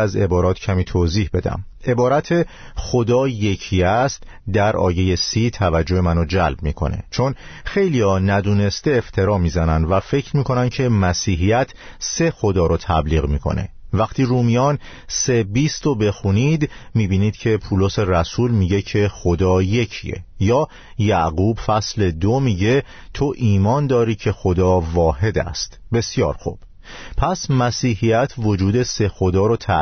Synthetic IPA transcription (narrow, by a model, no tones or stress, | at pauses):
æze̞bɒːɾɒːt̪ʰcʰæmiːt̪ʰoziːhbe̞d̪æ̰me̞bɒːɾæt̪ʰe̞ | xod̪ɒːje̞cʰiːæst̪ | d̪æɾɒ̰ːje̞je̞siːt̪ʰævæd͡ʒohe̞mænod͡ʒælb̚mḭːkʰo̞̰nḛt͡ʃʰo̞n | xe̞jliːɒnæd̪uːne̞st̪e̞ːft̪ʰe̞ɾɒːmiːzænænd̪væfe̞cʰɾmiːkʰo̞nænd̪cʰe̞mæsiːɦijæt̪ʰse̞xo̞d̪ɒːɾot̪ʰæbliːɣmiːkʰo̞̰ne̞̰væqt̪ʰiːɾuːmijɒːn | se̞biːst̪obe̞xuniːd̪miːbiːniːd̪̥cʰe̞pʰuːloseræsuːlmiːɟe̞cʰe̞xod̪ɒːje̞cʰḭḛjɒː | jæʔɣuːbfæsle̞d̪omiːɟe̞ | t̪ʰo̞ʔiːmɒːnd̪ɒːɾiːcʰe̞xo̞d̪ɒːvɒːɦe̞d̪æ̰st̪be̞sjɒːɾxṵb̥ | pʰæsmæsiːɦijæt̪ʰvo̞d͡ʒuːd̪e̞se̞xo̞d̪ɒːɾot̪ʰæ